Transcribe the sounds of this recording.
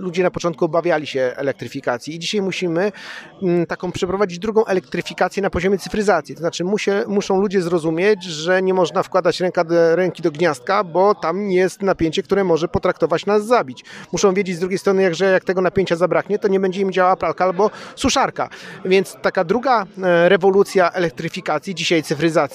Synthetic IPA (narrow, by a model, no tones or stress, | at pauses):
lud͡ʑɛnapɔt͡ʂɔnt̪̚kuɔbavʲjalʲiɕɛɛ̰lɛk̚t̪ɾɘfʲikat̪sʲjiːd͡ʑiɕajmuɕimɘ | t̪akɔ̃w̃pʂɛpɾɔvad͡ʑid͡ʑd̪ɾuɡɔ̃w̃ʔɛlɛk̚t̪ɾɘfʲikat̪sʲjɛnapɔʑɔmʲjɛt̪ɘ̥fɾɘzat̪sʲjit̪ɔznat͡ʂɘmuɕɛmuʂɔ̃w̃lud͡ʑɛzɾɔzumʲjet͡ɕʐɛɲɛmɔʐnafkwad̪at͡ɕɾɛŋkaɾɛŋkʲid̪ɔɡɲast̪̚kabɔt̪amjɛst̪napʲjeɲt͡ɕɛk̚t̪uɾɛmɔʐɛpɔt̪ɾak̚t̪ɔvat͡ɕnazːabʲit͡ɕmuʂɔ̃w̃vʲjed͡ʑed͡ʑzd̪ɾuɡʲejst̪ɾɔnɘjaɡʐɛjak̚t̪ɛɡɔnapʲjeɲt͡ɕazabɾakɲɛt̪ɔɲɛbɛɲd͡ʑɛimd͡ʑawawapɾalkaalbɔsuʂaɾka̰vʲjɛnt̪st̪akad̪ɾuɡaɾɛvɔlut̪sʲjaʔɛlɛk̚t̪ɾɘfʲikat̪sʲjid͡ʑiɕajt̪sɘfɾɘzat̪sʲi